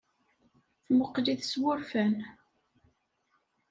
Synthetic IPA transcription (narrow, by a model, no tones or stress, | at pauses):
θmʊqːliθswʊɾfæn